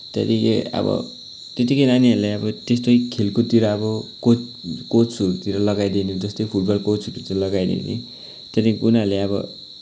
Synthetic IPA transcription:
t̪et̪ikeʌ̰bʌ̰ | t̪et̪̬ikʌjɾaniʌɾlaʌbʌt̪est̪ojkʰelkot̪iɾʌʌbʌkokot͡sut̪iɾʌlʌɡajd̪inid͡zʌst̪ʌjpʰuʈbʌlkot͡suɾit͡salʌɡajnḭnḭ | t̪ʌt̪ikunaɾleʌbʌ̰

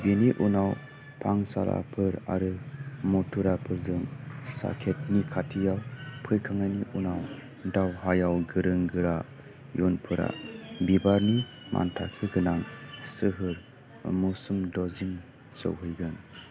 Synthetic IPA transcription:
beniʔunaw | pʰaŋsa̰lʔa̰pʰɯɾaɾɯmɔtʰuɾapʰɯɾzɯŋsa̰kʰet̚nikʰatʰijawpʰɯjkʰaŋaniʔunaw | dawɦajawɡɯɾɯŋɡɯɾa | junpʰɯɾa̰bibaɾni | mʔa̰ntʰa̰kʰɯɡɯnaŋsɯɦɯɾ | musumdɔzim | so̰wɦɯjɡɯn

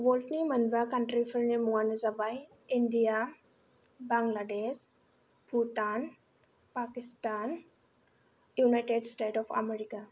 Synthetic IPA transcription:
ʋolʈnimənʋakaɳʈɾifəɾnemuanezabaj | ind̪ija | baŋɡlaɖes | put̪an | pakist̪an | junajʈeɖsʈeʈɔfa̰meɾika

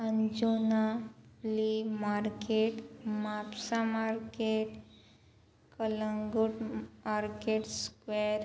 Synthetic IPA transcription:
ənd͡ʑonaflimaɾkeʈmapsamaɾkeʈ | kələŋɡuʈmaɾkeʈskʋeɾ

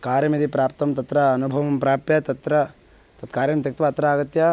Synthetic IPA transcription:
kaːɾjɐmid̪ipɾaːp̚t̪ɐmt̪ɐt̪ɾɐːnubʱɐʋɐmpɾaːpjɐt̪ɐt̪ɾɐ | t̪ɐt̪̚kaːɾjɐmt̪ɐk̚t̪ʋɐːt̪ɾɐaːɡɐt̪jɐ

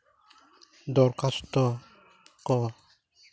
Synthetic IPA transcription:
d̪ɔɾkast̪ɔ | kɔ

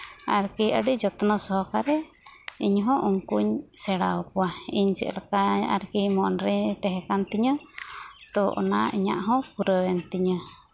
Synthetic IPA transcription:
aɾkiə̰ɖid͡ʒɔt̪nɔsɔɦɔkaɾɛ | iɲɦɔ̃ʔuŋkuɲsɛɽawkuaiɲsɛ̰ʔlakaa̰ɾkimɔnɾɛt̪ɛɦɛkant̪iɲə | t̪ɔʔɔ̰na̰iɲa̰ʔɦɔ̃puɾəwɛnt̪iɲə

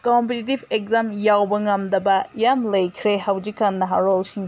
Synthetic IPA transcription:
kompetitibek̚zamjawbɐŋɐmdɐbɐjamlɐjkʰɾehawzikːanːɐɦa̰ɾolsiŋ

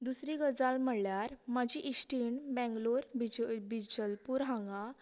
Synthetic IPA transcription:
d̪usɾiɡəd͡zalməɽljaɾmad͡ʑiʔisʈiɳbɛ̃ŋɡloɾbibid͡ʑəlpuːɾɦãŋɡa

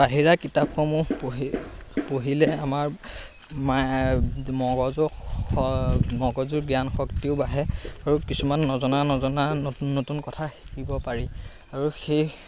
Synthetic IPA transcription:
baɦiɹakitap̚xɔmup | poɦilɛamaɹ | ma | mɔɡɔzɔɔmɔɡɔzuɹɡjanxɔktiʊbaɦɛaɹukisumanːɔzɔnanɔzɔnanːotunkɔtʰaxi̥kibɔpaɹi | aɹuxej

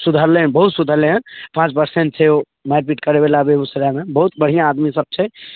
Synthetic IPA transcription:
sud̪ʱəɾleɦənbəɦut̪sud̪ʱəɾleɦə̃npãt͡ʃpəɾseɳʈsʰeo | maɾpiʈkəɾebelabeusɾamebəɦut̪̚bəɽ̤ijãːd̪misəb̚t͡ʃʰɛ

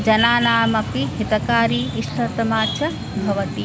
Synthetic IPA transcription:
d͡ʒɐnaːnaːmɐpiɦit̪ɐkaːɾiːʃʈʰɐt̪ɐmaːt͡ʃɐ | bʱɐʋɐt̪i

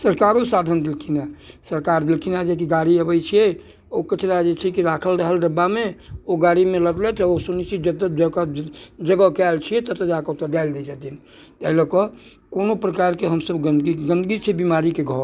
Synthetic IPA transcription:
səɾkaɾosad̪ʱənd̪ilkʰinasəɾkaɾd̪ilkʰinad͡ʒekiɡaɾiəbəjt͡ʃʰijɛ | okət͡ʃnad͡ʒet͡ʃʰɛkiɾakʰəlɾəɦəlɖəbameoɡaɾimeləd̪lɛt̪ʰosunit͡ʃʰid͡ʒəd̪d͡ʒəkd͡ʒəɡəkɛlt͡ʃʰijɛt̪ət̪əd͡ʒakɔt̪əɖald̪ɛd͡ʒat̪in | t̪ɛilokɔ | konopɾəkaɾkeɦəmsəbɡənd̪ɡiɡə̃nd̪ɡit͡ʃʰebimaɾikeɡʱɔ

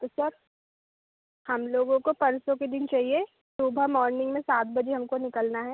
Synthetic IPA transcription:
t̪osɐɾ | hɐmloːɡõkopɐɾsõked̪ɪnt͡ʃaːɦie | suːbʱəmɔːɾnɪ̃ŋɡmẽsaːt̪̚bɐd͡ʒeɦɐmkonɪkəlnaɦɛː

